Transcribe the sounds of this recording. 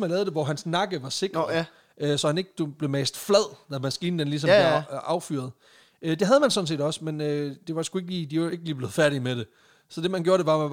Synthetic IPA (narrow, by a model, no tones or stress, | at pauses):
mælɛːʊðˠd̥e̝ʋɒɦænsnɑ̈ɡ̥əʋɑ̈se̝ɡ̥ | ʔøsɒ̽hæne̝ɡ̥̚d̥ub̥le̝meːsd̥flæð̰ˠd̥æmæsɡ̥iːn̩d̥enlis̬ɒ̽mbleɑ̈ʊfy̰ɐð̞ˠ | ød̥e̝ɦæð̞ˠmænsɔ̽ns̬e̝̰ːdɒ̽smenød̥e̝ʋɑsɡ̥ue̝ɡ̥liːd̥ie̝ɡ̥əliːble̝ːð̞̩ˠfæɐɾ̥imeɾ̥e̝ | sɒ̽d̥e̝mænɡ̥oːɐɾ̥e̝ʋɑ̈